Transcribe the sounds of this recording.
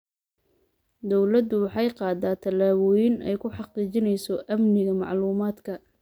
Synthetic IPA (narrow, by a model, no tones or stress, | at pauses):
d̪ɔwlɐd̪ʊwɑħɑjqɑːd̪aːt̪ʰɐlaːβɔːjɪnɛ̰jkʰʊħɑqiːt͡ʃɪnɛjsɔʔɐmnɪɣɐmɑ̰ʕluːmaːd̪kʰɐ